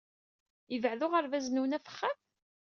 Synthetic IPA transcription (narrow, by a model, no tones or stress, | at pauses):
əvəʕðʊʁəɾvæznuwnæfə̥χːæθ